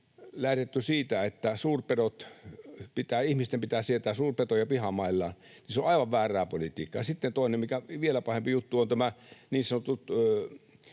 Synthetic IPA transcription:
læht̪et̪ːysiːt̪æet̪ːæsuːrperot̪pit̪æːihmist̪empit̪æːsiet̪æːsuːrpet̪ojɑpihɑmɑilːɑ̰ːn | niseoʔɑiʋɑʋʋæːrˑæːpolit̪iːkːɑjɑsit̪ːent̪oˑinemmikæʋielæpɑhempijut̪ːuont̪æmæniːsɑnot̪ut̪ø

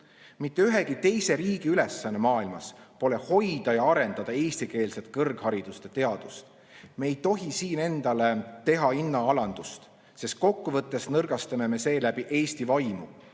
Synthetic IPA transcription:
mit̪ːe̞yɦe̞ɡ̥it̪e̞jse̞ɾiːɡ̥iylesːɑnːe̞mɑːilmɑspo̞le̞ho̞jd̪̥ɑjɑɑɾe̞nd̪̥ɑd̪̥ɑe̞ːsʲt̪ike̞ːlset̪̚ˑkɤrɡ̥hɑɾid̪̥ust̪et̪e̞ɑd̪̥ust̪ | me̞ːjt̪o̞ɦisiːne̞nd̪̥ɑle̞t̪e̞ɦɑinːɑɑlɑnd̪̥ust̪ | se̞st̪̚ko̞kːuvɤt̪ˑːe̞snɤrɡ̥ɑst̪ɑme̞me̞se̞ːlæbiʔe̞ːst̪ivɑjmu

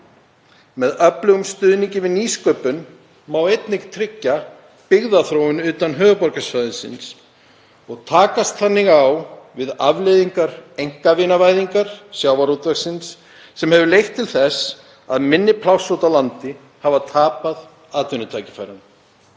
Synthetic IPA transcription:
mɛðœplʏɣʏmst̪ʏːðniɲcɪvɪðniːskœːpʏn | mawejt̪nɪɣt̪ʰɾɪcːa | pɪɣðaθɾowʏnʏːt̪anɦœːvʏpɔɾkasfajðʏnsɪ̰ns | ɔɣt̪ʰaːkast̪θanːɪɣawvɪða̰vlejðiŋkaɾejŋ̥kavɪnavaːjðiŋkaɾ̥sjawvaɾut̪vɛxsɪnsː | ɛmhɛvʏlejht̪ʰːɪlθɛs | a̰ðmɪnːɪpʰlawsowt̪awlant̪ɪ | havat̪ʰaːpað | aːt̪vʏnʏt̪ʰaːjcɪ̥fa̰jɾan

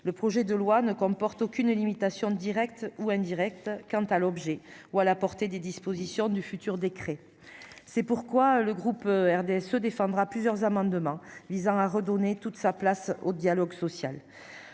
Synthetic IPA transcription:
ləpχɔʒɛd̪əlwanəkɔ̃pɔʁt̪ɔkʲynlimit̪asjɔ̃d̪iʁɛkt̪uɛ̃d̪iʁɛk̚t̪kɑ̃t̪alɔbʒɛualapɔʁt̪ed̪ed̪ispozisjɔ̃d̪yfyt̪yʁd̪ekχe | sɛpuʁkwaləɡʁupɛʁd̪eɛsød̪efɑ̃d̪ʁaplyzjœʁzamɑ̃d̪əmɑ̃vizɑ̃aʁəd̪ɔnet̪ut̪saplasod̪jalɔɡsɔsja̰l

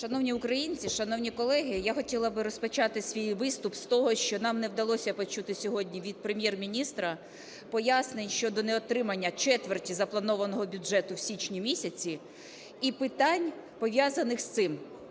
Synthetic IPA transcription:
ʃɐnɔwnʲiʊkɾɐjinʲt͡sʲiʃɐnɔwnʲikɔlˠɛɦɪjaxɔtʲilˠɐbɪɾɔspɐt͡ʃɑt̪ɪsʲʋʲijʋɪst̪ʊpst̪ɔɦɔʃt͡ʃɔnɑmnɛwd̪ɐlˠɔsʲɐpɔt͡ʃut̪ɪsʲɔɦɔdʲnʲiʋʲid̪̚pɾemʲjɛrmʲinʲist̪ɾɐ | pɔjasnɪnʲʃt͡ʃɔd̪ɔnɛɔt̪ɾɪmɐnʲːɐt͡ʃɛt̪ʋertʲizɐplˠɐnɔʋɐnɔɦɔbʲʊʒɛt̪ʊwsʲit͡ʃnʲimʲisʲɐt͡sʲi | ipɪt̪anʲ | pɔʋʲjazɐnɪxst̪sɪm

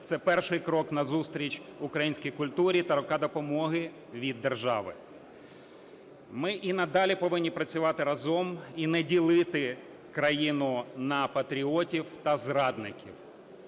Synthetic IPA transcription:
t̪sɛpɛrʃɪjkɾɔknɐzust̪ɾʲit͡ʃʲʊkɾɐjinʲsʲkijkʊlʲt̪uɾʲit̪ɐɾʊkɑd̪ɔpɔmɔɦɪ | ʋʲid̪ːerʒɑ̰ʋɪ̰ | mɪʔinɐd̪ɑlʲipɔʋɪnʲːipɾɐt͡sʲʊʋɑt̪ɪɾɐzɔminɛdʲilˠɪt̪ɪ | kɾɐjinʊnɐpɐt̪ɾʲiɔtʲiwt̪ɐzɾɑd̪nɪkʲḭw

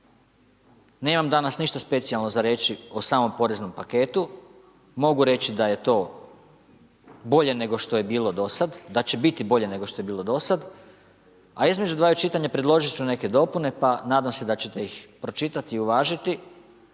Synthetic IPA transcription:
ne̞ːmamd̪anasniʃt̪aspe̞t̪sijalˠno̞zaɾe̞ːt͡ʃiosaːmo̞mpo̞ɾe̞zno̞mpake̞ːt̪u | mo̞ɡuɾe̞t͡ɕid̪aje̞t̪o̞ː | bo̞ʎe̞ne̞ɡo̞ʃt̪oje̞biːlˠo̞d̪o̞sad̪d̪at͡ɕe̞bit̪ibo̞ʎe̞ne̞ɡo̞ʃt̪o̞jebiːlˠo̞d̪o̞sad̪ | aizme̞d͡ʒud̪ʋaːut͡ʃit̪aɲapɾed̪lˠo̞ʒit͡ʃune̞ke̞d̪o̞pune̞panaːd̪amse̞d̪at͡ɕe̞t̪e̞ixpɾo̞t͡ʃit̪at̪iːuʋaːʒit̪i

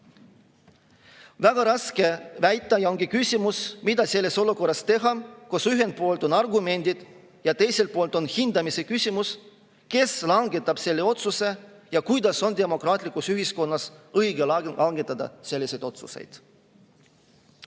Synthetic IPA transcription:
væɡ̥ɑɾɑske̞væjt̪ˑːɑjɑoŋɡ̥ikysʲimusmid̪̥ɑse̞lːe̞so̞luko̞rːɑst̪e̞ɦɑkosyɦe̞n̚po̞ːlt̪o̞nɑrɡume̞nʲd̪̥id̪̥ | jɑt̪e̞jse̞lt̪̚po̞ːlt̪ˑo̞nhind̪ɑmise̞kysʲimus | ke̞slɑŋɡe̞t̪ːˑɑb̥se̞lːe̞o̞t̪suse̞ | jɑkujd̪̥ɑso̞nd̪̥e̞mo̞kɾɑːt̪ʲˑlikˑusyɦisko̞nːɑsɤjɡelɑɑŋɡ̥e̞t̪ːˑɑd̪̥ɑ̰se̞lːise̞jd̪o̞t̪sṵsḛjd̪̥

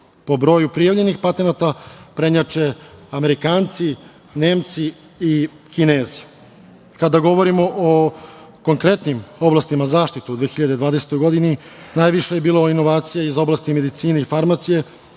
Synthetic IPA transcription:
po̞bɾo̞ːjupɾijaʋʎe̞nixpat̪e̞nat̪apɾe̞ɲat͡ʃe̞ame̞ɾikaːnt̪si | ne̞ːmt̪si | i | kineːzi̥ | kad̪aɡo̞ʋo̞ɾimo̞ʔoko̞ŋkɾe̞t̪nimo̞blast̪imazaːʃt̪it̪uud̪ʋeːxiʎad̪ed̪ʋaːd̪e̞se̥t̪o̞jɡo̞d̪ini | naːjʋiʃejebiːlˠoːino̞ʋaːt̪sijaizo̞blˠast̪ime̞d̪it̪iːneifaɾmasije

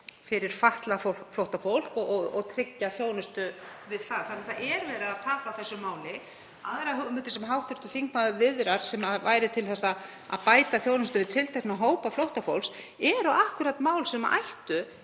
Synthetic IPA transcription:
fɪɾɪɾ̥faht̪lafoflowht̪afowl̥kɔɔɔɣt̪ʰɾɪcːaθjoːwnʏst̪ʏvɪðθfaðθanːaθaʔɛɾvɛːɾɪðaðt̪ʰaːkaawθɛsːʏmaːwlɪ | a̰ðɾaɦʏɣmʏt̪ɪ̥sɛmɦawht̪œɾt̪ʏθiŋkmaðvɪðɾaɾ̥sɛmavaːjɾɪt̪ʰɪlθɛsːa | a̰ðpaːjt̪aθjoːwnʏst̪ʏvɪðt̪ʰɪlt̪ʰajknaɦoːwpaflowht̪afo̰wls | ɛɾaʔahkʏɾat̪maːwlsɛma̰ʔajht̪ʏ

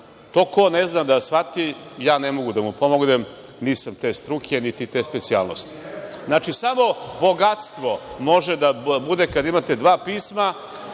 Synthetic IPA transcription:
t̪o̞ːko̞neznad̪asfat̪ijaːnemo̞ɡud̪amupo̞moɡnem | niːsamt̪e̞ːst̪ɾukʰe̞nit̪it̪e̞ːspet̪siaːlnost̪i̥znat͡ʃisamo̞bo̞ɡat̪st̪ʋo̞mo̞ʒed̪abud̪e̞kad̪aimat̪e̞d̪ʋaːpiːsma

